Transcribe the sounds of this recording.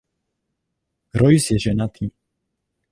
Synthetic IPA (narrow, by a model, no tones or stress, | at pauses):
ɾɔjsjɛʒɛnat̪ʰi